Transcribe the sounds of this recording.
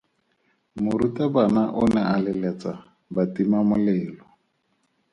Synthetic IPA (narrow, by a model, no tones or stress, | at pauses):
mʊɾutabanaʔʊnɛalɪlɛt͡sa | batimamʊlɛːlɔ